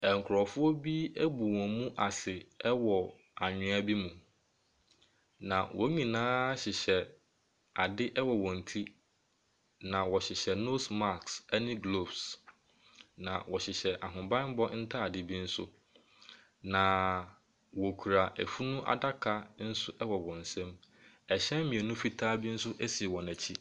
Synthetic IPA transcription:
ɛ˨ŋ̩˨kʰɾɔ˨fʊ˦ɔ˦bi˦æ˦bu˨wɔ̃˨mũ˦ʔa˨sɪ˨ɛ˦wɔ˨ | a˨ɲᶣʊ̃˨˦a˦bi˦mũ˨ | nã˨wʔɔ̰˨˦ɲĩ˨nãː˦ɕɪ˨ɕɛ˨ | a˨dɪ˦ʔɛ˦wɔ˨wɔ̃˨n̩˨tʰi˦ | nã˨wɔ˨ɕɪ˨ɕɛ˨no˦sma˦ksɛ˦nɪ̃˦ɡlo˦˨bs | nã̰˨wɔ˨ɕɪ˨ɕɛ˨ʔa˨ɦʊ̃˨bã˦nm̩˦bɔ˦n̩˦tʰa˦a˨dɪ˦bi˦n̩˦sʊ̰˦ | nã˨ | wɔ˨kʰu˨ɾa˨ʔæ˨fu˦nʊ̃˦ʔa̰˨da˦kʰa˦n̩˦sʊ˦ʔɛ˦wɔ˨wɔ̃˨n̩˨sɛ̃˦m | ɛ˨ɕɛ̃˦m˦mĩ˨e˨nũ˦fi˦tʰaː˦bi˦n̩˦sʊ˦ʔæ˦si˨wɔ̃˨næ˨t͡ɕʰi˦

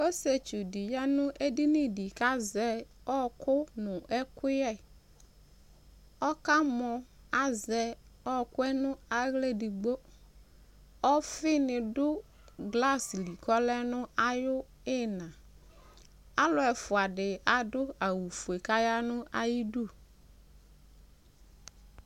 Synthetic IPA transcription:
o˦se˨t͡ʃu˨di˨ja˦nʊ̃˦ʔe˦di˦nĩ˦di˨ka˦zɛ˦ɔ˦kʊ˦nʊ̃˨ɛ˦kʊ˦jɛ˦˨ | ɔ˦ka˦mɔ˨ | a˨zɛ˨ɔ˦kʊ˦ɛ˦nʊ̃˦a˨ɣle˦di˨ɡ͡bo˦ | ɔ˦fɪ˦nɪ˨dʊ˦ | ɡla˦sli˨kɔ˦lɛ˦nʊ̃˦a˦jʊ˦ | ɪ˦nã˨ | a˦lʊ˨ɛ˨fʊ˨a˨dɪ˨a˨dʊ˦a˨wu˨fu˨e˨ka˦ja˦nʊ̃˦ʔa˨ji˦du˦˨

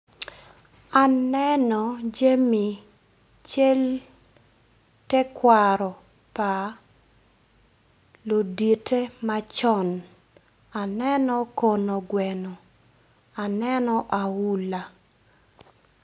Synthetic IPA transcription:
a˨nɛ˦nɔ˨d͡ʒe˦mi˨ | t͡ʃe˦l | tɛ˦kwaɾɔ˨ | pa˨ | lo˨di˨tʰe˦ma˦t͡ʃɔ˦n | a˨nɛ˦nɔ˦ko˨no˨ɡwɛnɔ˨ | a˨nɛ˦nɔ˦ʔa˨wu˦la˨

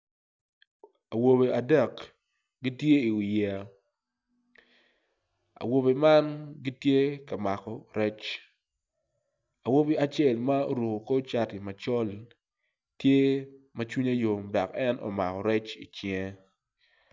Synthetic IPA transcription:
a˨wo˨be˨a˨dɛ˦˨k | ɡi˦tje˦i˨wi˨ja˨ | a̰˨wo˨be˨ma˦nɡi˦tje˦ka˨ma˨kɔ˨ɾɛ˦t͡ʃ | a˨wo˦be˦a˦t͡ʃɛ˦˨lma˦o̰˦ɾo˨ko˨ko˦t͡ʃa˦ti˨ma˨t͡ʃɔ˦l | tje˦mɐ˦t͡ʃwu˦ɲa˦jo˨mda˨kɛ˦nʔɔ̰˨ma˨kɔ˨ɾɛ˦t͡ʃḭ˨t͡ʃɪɛ˦

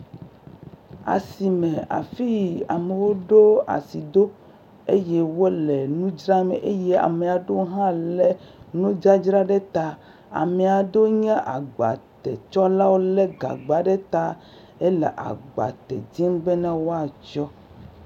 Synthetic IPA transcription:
a̰˨si˨mẽ˨a̰˨fi˦˨a˨me˨wo˦ɖo˦a̰˨si˨d̪o˦ | e˦je˦wo˦le˨nũ˦d͡ʒɾa˦mḛ˨ʔe˦jɛ˦a̰˨me˨a˨ɖo˦ɦã˦lɛ˨nũ˦d͡ʒa˦d͡ʒɾa˦ɖɛ˦t̪a˦ | a̰˨mɛ˨a˨ɖo˦ɲɛ̃˦ʔa˨ɡ͡ba̰˨t̪ɛ̰˨t͡ʃɔ˦la˦wo˦lɛ˦ɡa̰˨ɡ͡ba˨ɖɛ˦t̪a˦ | e˦lḛ˨ʔa̰˨ɡ͡ba̰˨t̪ɛ̰˨d͡ʑi˦mɡ͡be˦nã˦wo˦a˨t͡ʃɔ˦

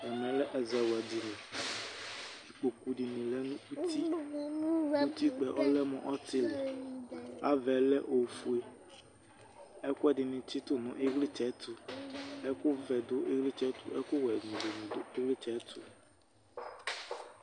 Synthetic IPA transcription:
ɛ˨mɛ̃˨lɛ˦ʔɛ˨zɛ˨wa˨di˨lɛ˨ | i˨k͡po˨ku˨ɖi˨nĩ˨lɛ˦nũ˦u˦t̪i˦ | u˦t̪i˦k͡pɛ˨ʔɔ˦lɛ˦mɔ̰̃˨ʔɔ˦t̪ɪ˦lɛ˨ | a˦vɛ˨lɛ˦ʔo˨fu˨e˦ | ɛ˦kʊ˦ɛ˦dɪ˨nĩ˨t͡ʃi˦t̪ʊ˦nũ˨ʔe˦ɣli˦t͡ʃɛ˨˦t̪u˦ɛ˦kʊ˦vɛ˨d̪o˦ʔe˦ɣli˦t͡ʃɛ˨˦t̪ṵ˦ʔɛ˦kʊ˦wɛ˨nũ˨do˨nũ˨do˦e˦ɣli˦t͡ʃɛ˨˦t̪u˦

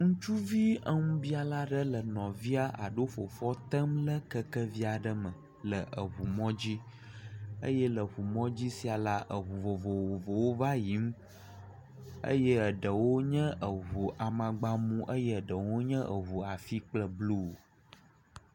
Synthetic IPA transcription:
ŋũ˦t͡ʃu˦vi˦ə˦ŋũ˦bi˦a˨la˦ɖə˦lə˨nɔ̃˨vi˦a˨ʔa̰˨ɖo˦fo˨fɔ˦t̪ə˦mlə˦kə˦kə˦vi˦a˨ɖə˦mə˨ | lə˨ʔə˨ɦu˨mɔ̃˦d͡ʑi˦ | ə̰˦jɛ˦lə˨ɦu˨mɔ̃˦d͡ʑi˦si˨a˨la˦ʔə˨ɦu˨vo˨vo˨wo˨vo˨wo˦va˦ji˨˦m˦ | ə̰˦jɛ˦ə˨ɖə˨wo˦ɲɛ̃˦ʔə˨ɦu˨ʔa˨mã˨ɡ͡ba˨mũ˦ʔə˦jɛ˦ə˨ɖə˨wo˦ɲɛ̃˦ʔə˨ɦu˨a˨fi˦k͡plə˦blu˦˨

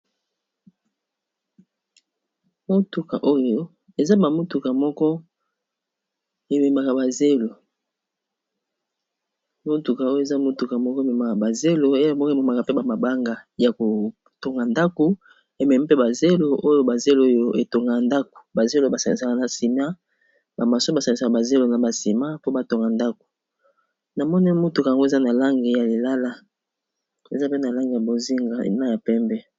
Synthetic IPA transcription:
mo˦tu˨ka̰˨ʔo˦jo˦ | e˨za˦ba˨mo˦tu˨ka˨mɔ˦kɔ˦ | e˨me˨ma˨ka˨ba˨ze˦lo˨ | mo˦tu˨ka˨o˦je˨za˦mo˦tu˨ka˨mɔ˦kɔ˦e˨me˨ma˨ka˨ba˨ze˦lo˨e˦mɔ˦kme˨ma˨ka˨pe˦ba˨ma˨ba˦ŋɡa˨ja˨ko˨ | to˨ŋɡa˨nda˦ko˨ | e˨mɛ˨mi˦pe˦ba˨ze˦lo˦ʔo˦jo˦ba˨ze˦lo˦jo˦ʔe˨to˨ŋɡa˨nda˦ko̥˨ba˨ze˦lo˦ba˨sa˨ŋi˨sa˨ka˦na˨si˨ma˦ | ba˨ma˨so˦ba˨sa˨ŋi˨sa˨ka˨ba˨ze˦lo˨na˨ba˨si˨ma˦po˦ba˨to˨ŋɡa˨nda˦ko̥˨ | na˨mɔ˦nɛ˦mo˦tu˨ka˨ŋɡo˦e˨za˦na˨la˦ŋɡe˨ja˨li˨la˦la˦ | e˨za˦pe˦na˨la˦ŋɡe˨ja˨bo˨zi˦ŋɡa̰˨na˦ja˨pɛ˦mbɛ˦

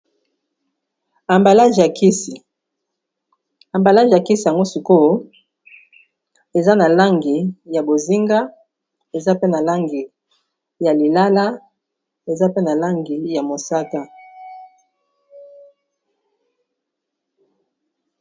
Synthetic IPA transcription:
a˨mba˨la˦ʒja˨kʰi˦si˨ | a˨mba˨la˦ʒja˨ki˦si˨ja˨ŋɡo˦si˨ko˦ | e˨za˦na˨la˦ŋɡi˨ja˨bo˨zi˦ŋɡa˦ | e˨za˦pe˦na˨la˦ŋɡi˨ | ja˨li˨la˦la˦ | e˨za˦pe˦na˨la˦ŋɡi˨ja˨mo˨sa˦ka˦

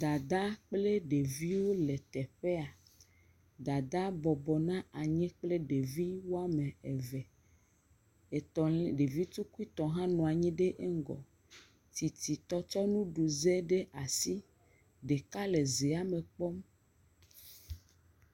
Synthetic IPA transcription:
d̪a˨d̪a˦k͡ple˦ɖe˨vi˦wo˦le˨t̪ɛ˨ɸe˦a˨ | d̪a˨d̪a˦bɔ˨bɔ˨nã˦a˨ɲɛ̃˦k͡ple˦ɖe˨vi˦wo˦a˦me˨e˨ve˨ | e˨t̪ɔ˨le˨ɖe˨vi˦t̪u˦ku˦i˦t̪ɔ˨ɦã˦nɔ̃˨a˨ɲĩ˦ɖe˦ʔe˦ŋ˦ɡɔ̰˨ | t̪i˨t̪i˨t̪ɔ˦t͡ʃɔ˦nũ˦ɖu˨ze˦ɖe˦ʔa˨si˦ | ɖe˨ka˦le˨ze˨a˦me˨k͡pɔ˦m

